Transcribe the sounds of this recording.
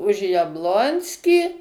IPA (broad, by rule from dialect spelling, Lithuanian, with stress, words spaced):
ʊʃ jɛbˈlˠoːnʲsʲkʲiː